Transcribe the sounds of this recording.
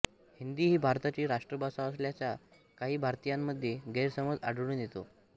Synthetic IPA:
hind̪iːɦiːbʱaɾt̪at͡ɕiːɾaʂʈɾəbʱasaəsljat͡ɕja | kaɦiːbʱaɾt̪ijamːəd̪ʱjeɡʱeɾsəməd͡za̰ɽɽund̪jet̪o̰

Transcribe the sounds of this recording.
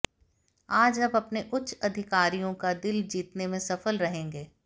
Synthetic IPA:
aːd͡ʒɐbɐpneʔʊtːt͡ʃɐd̪ʱɪkaːɾijõkad̪ɪld͡ʒiːt̪nemẽsɐfəlɾɐɦẽːŋɡeː

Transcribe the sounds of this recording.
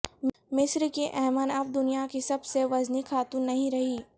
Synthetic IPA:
mɪsɾkiʔɛːmənɐb̚d̪ʊnijakisɐbseʋɐznikʰaːt̪unːɐɦĩɾɐɦiː

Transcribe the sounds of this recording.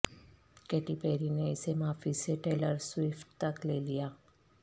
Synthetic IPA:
kɛːʈipeːɾineɪsemaːfiseʈeːləɾswɪfʈ̚t̪ɐkleːlijaː

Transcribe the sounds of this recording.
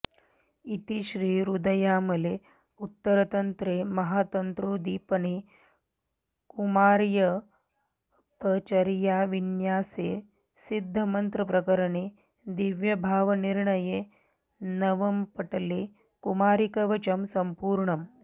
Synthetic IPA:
it̪iʃɾiːɾud̪ɐjaːmɐle | ut̪ːɐɾɐt̪ɐnt̪ɾeːmɐɦaːt̪ɐnt̪ɾoːd̪iːpɐɳi | kumaːɾjɐ | pɐt͡ʃɐɾjaːʋinjaːseː | sid̪ʱːɐmɐnt̪ɾɐpɾɐkɐɾɐɳeː | d̪iʋjɐbʱaːʋɐniɾɳɐjeː | nɐʋɐmpɐʈɐleː | kumaːɾikɐʋɐt͡ʃɐmsɐmpuːɾɳɐm

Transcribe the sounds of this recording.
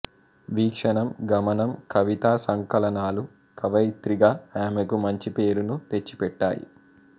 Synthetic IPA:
ʋiːkʂɐɳɐmɡɐmɐnɐmkʰɐʋit̪aːsɐŋkɐlɐnaːlu | kɐʋɐjt̪ɾiɡaːaːmekumɐɲt͡ʃipe̞ːɾunut̪e̞t͡ʃːi̥pɛʈːa̰ːjḭ

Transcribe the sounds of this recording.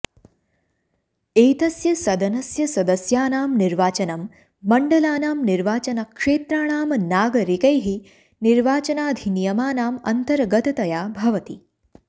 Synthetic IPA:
eːt̪ɐsjɐsɐd̪ʱɐnɐsjɐsɐd̪ɐsjaːnaːmniɾʋaːt͡ʃɐnɐmː | ɐɳɖɐlaːnaːmniɾʋaːt͡ʃɐnɐkʂeːt̪ɾaːɳaːmɐnaːɡɐɾikɐjɦi | niɾʋaːt͡ʃɐnaːd̪ʱinijɐmaːnaːmɐ̰nt̪ɐɾɡɐt̪ɐt̪ɐjaːbʱɐʋɐt̪i

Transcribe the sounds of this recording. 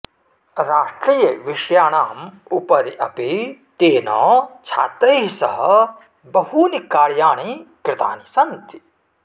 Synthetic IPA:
ɾaːʂʈɾijɐʋiʂjaːɳaːmupɐɾiʔɐpit̪eːnɔ̰ːt͡ʃʰa̰ːt̪ɾeːɦisɐɦɐ | bɐɦuːnikaːɾjaːɳikɾɪt̪a̰ːnisɐnt̪i̥

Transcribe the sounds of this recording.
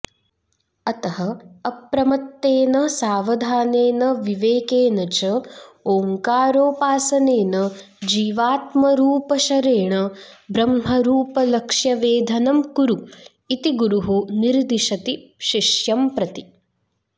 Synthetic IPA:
ɐt̪ɐɦɐːpɾɐmɐt̪ːeːnɐsaːʋɐd̪ʱaːneːnɐʋiʋeːkeːnɐt͡ʃɐoːŋkaːɾoːpaːsɐneːnɐ | d͡ʒiːʋaːt̪mɐɾuːpɐʃɐɾeːɳɐbɾɐmɦɐɾuːpɐlɐkʂjɐʋeːd̪ʱɐnɐmkuɾu | it̪iɡuɾuɦuniɾd̪iʃɐt̪iʃiʂjɐmpɾɐt̪i

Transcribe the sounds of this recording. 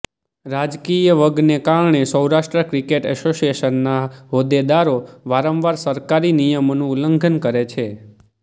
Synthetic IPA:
ɾad͡ʒkijəʋəɡnekaɾɳesəwɾaʃʈɾəkɾikeʈɛsosijeʃənːaɦod̪ed̪aɾoʋaɾə̃mʋaɾsəɾkaɾinijəmonũləŋɡʱənkəɾet͡ʃʰe

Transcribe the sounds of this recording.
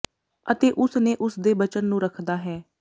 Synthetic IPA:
ət̪eːʔʊsneːʔʊsd̪eːbət͡ʃənːũːɾəkʰd̪aːɦɛː

